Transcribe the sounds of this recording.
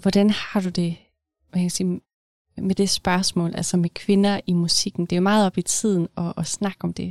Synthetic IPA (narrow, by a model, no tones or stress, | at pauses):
ʋɒd̥ænhɑ̈d̥ud̥e̝ | ʋækkʰæsiː | med̥e̝sb̥ɶɐsmɔ̰ːlʔælsɐmekʰʋe̝nɐʔimusiɡ̥n̩d̥e̝ɐmɑ̈ːð̞̩ˠɒb̥it͡sʰið̞̰ˠn̩ɒ̽snɑ̈ɡ̥ɒ̽md̥e̝